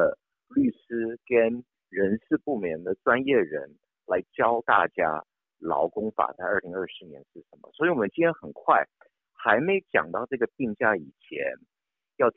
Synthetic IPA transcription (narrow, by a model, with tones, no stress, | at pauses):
ə˧ | ly˥˩sɹ̩˥kə˥n | ɻə˧˥nsɹ̩˥˧pu˥˩mjɛ˧˥nd̪ə˧ʈ͡ʂwa˥njɛ˥˩ɻə̰˧˥n | la˧˥ɪt͡ɕjɑ˥ʊt̪a̰˥˩t͡ɕja̰˥ | lɑ̰˧˥ʊkʊ˥ŋfa̰˨˩t͡sa˥˧ɪə˞˥˩li˧˥ŋə˞˥˩ʂɻ̩˧˥njɛ̰˧˥nʂɻ̩˥˩ʂə˧˥nmə̰˧swɔ˧˥i˧˥wɔ˨˩mə˦nt͡ɕi˥nʰjɛ˥nxə˨˩nkʰwa˥˩ɪ | xa˧˥ɪme˧˥ɪt͡ɕjɑ̰˨˩ŋt̪ɑ˥˧ʊʈ͡ʂɤ˥˩ɡə˩t̪i˥˧ŋt͡ɕja˥˩i˨˩t͡ɕʰjɛ̰˧˥n | jɑ˥˩ʊ